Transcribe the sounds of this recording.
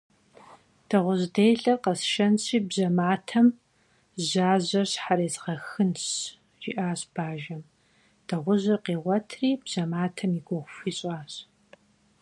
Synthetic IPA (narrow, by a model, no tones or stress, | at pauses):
d̥ɐʁʷʊʑdejɬɐrqɐsʃɐnɕiːbzɐmaːtʰɐm | ʑaːʑɐɕħaɾeːzʁɐxɨnɕ | ʒḭʔaːɕb̥aːʒɐm | d̥ɐʁʷʊʑɨrqeːʁʷɔtʰriːbz̥ɐmaːtʰɐmiɡʷɔʁʷʊfiːɕʼaːɕ